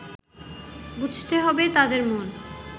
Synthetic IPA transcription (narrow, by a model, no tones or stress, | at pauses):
bud͡ʑʱt̪eɦɔbet̪ad̪eɾmon